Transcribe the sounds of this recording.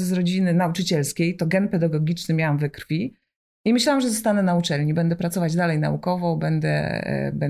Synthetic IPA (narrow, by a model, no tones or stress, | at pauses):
zɾɔd͡ʑinɘnaut͡ʂɘt͡ɕɛlskʲejt̪ɔɡɛnpɛd̪aɡɔɡʲit͡ʂnɘmʲjawamvɘkɾfʲi | imɘɕlawamʐɛzɔst̪anɛnaut͡ʂɛlɲibɛnd̪ɛpɾat̪sɔvad͡ʑd̪alɛjna̰ukɔvɔbɛnd̪ɛ̰bɛ